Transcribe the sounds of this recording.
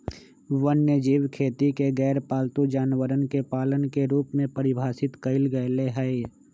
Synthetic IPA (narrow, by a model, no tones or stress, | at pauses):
ʋənjəd͡ʒiːwkʰeːt̪ikeɡɛːɾpaːlt̪ud͡ʒaːnwəɾənkepaːlənkeɾuːpmẽpəɾɪbʱaːsɪt̪kəɪlɡəeleɦɛi